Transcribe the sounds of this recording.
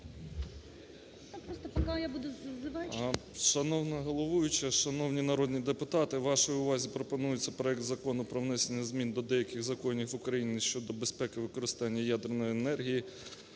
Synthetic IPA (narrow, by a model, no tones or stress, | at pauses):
nɐpɾɔst̪ɔpɐkajabud̪ʊzʋɑʃɐnɔwnɐɦɔlˠɔʋujʊt͡ʃɪʃɐnɔwnʲinɐɾɔd̪ʲnʲid̪epʊt̪ɑt̪ɪʋʋɑʃɔjʊʋɑzʲipɾɔpɔnujʊt͡sʲːɐpɾɔɛk̚t̪zɐkɔnʊpɾɔʋnɛsʲenʲːɐzmʲind̪ɔd̪ɛjɐkʲɪɣzɐkɔnʲixʋʊkɾɐjinʲiʃt͡ʃɔd̪ɔbespɛkɪʋɪkɔɾɪst̪ɑnʲːɐjad̪ernɔjenɛrɦʲiji